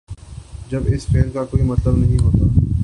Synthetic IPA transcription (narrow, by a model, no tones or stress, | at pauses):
d͡ʒɐbɪsfeːlkakoːimɐt̪ləbnɐɦĩɦoːt̪aː